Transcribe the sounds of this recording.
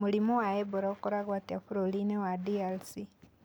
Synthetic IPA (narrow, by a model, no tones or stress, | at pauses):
mulimowaeboɾaokoɾaɣwatiafuɾolinewadialsi